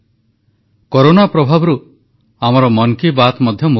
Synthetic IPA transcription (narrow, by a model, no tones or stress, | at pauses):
koɾonapɾɔbʱabɔɾu | amɔɾɔmɔŋkibat̪mɔd̪ʱjɔmu